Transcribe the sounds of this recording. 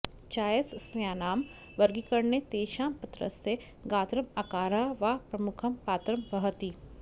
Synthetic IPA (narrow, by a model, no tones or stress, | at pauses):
t͡ʃaːjəssjaːnaːm | ʋɐɾɡikɐɾnet̪eːʃaːmpɐt̪ɾə̰se | ɡaːt̪ɾɐmaːkaːɾɐʋapɾɐmʊkʰɐmpaːt̪ɾɐmʋɐɦət̪iː